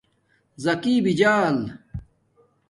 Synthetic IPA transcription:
zɐkiːbid͡ʑaːl

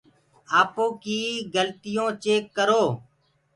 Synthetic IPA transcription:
aːpoːkiːɡəlt̪ɪjõːt͡ʃeːkːəɾoː

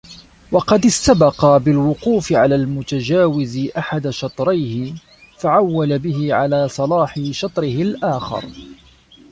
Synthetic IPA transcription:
wɑqɑd̪ɪst̪abɑqɑbɪlwʊquːfɪʕalaːlmʊt̪ad͡ʒaːwɪzɪʔaħad̪aʃɑt̪ˤɾɑjhɪ | faʕawːalabɪɦɪʕalaːsˤɑlɑːħɪʃɑt̪ˤɾɪhɪlʔaːxɑ̰ɾ

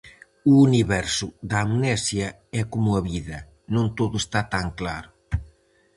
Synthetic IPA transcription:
uːniβɛɾsʊðɐːmnɛsjɐ | ɛkomʊɐβiðɐ | nõnt̪oðʊest̪at̪aŋklaɾʊ

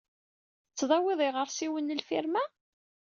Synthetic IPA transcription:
t͡sːðˤɑwɪðˤiʁəɾsiwənːəlfiɾmæ

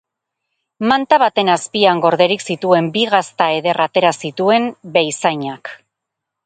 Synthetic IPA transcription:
mant̪aβat̪e̞naspiaŋɡo̞ɾðe̞ɾiksit̪ue̞mbiɣast̪ae̞ðe̞rat̪e̞ɾasit̪ue̞mbe̞jsajɲak

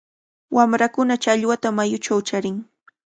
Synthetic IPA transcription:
wʔamɾakʊnat͡ʃaʎwat̪amajʊt͡ʃawt͡ʃaɾɪŋ

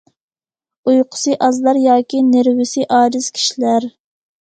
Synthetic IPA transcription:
ujqʰʊ̥sɨʔɑzlˠɑɾjɑːkʲinɪɾwɪsiʔɑːɾɪz̥kʲʰi̥ʃilæɾ

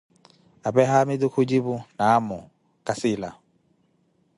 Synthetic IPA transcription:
abɛɦamɪd̪ukʰʊd͡ʒibunamɔ | kasɪla̰

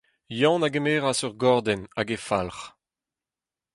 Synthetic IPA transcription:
jɑ̃naɡemeːʁasœʁɡɔʁd̪ɛnaɡefalχ

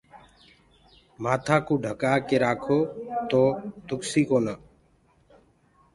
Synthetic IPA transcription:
maːt̪ʰaːkũːɖʱəkaːkeːɾaːkʰoːt̪oːd̪ʊksiːkoːnaː

